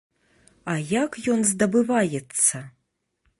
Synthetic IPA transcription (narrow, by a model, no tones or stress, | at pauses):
ajakjɔnzd̪ɐbɨvajɛt̪sːɐ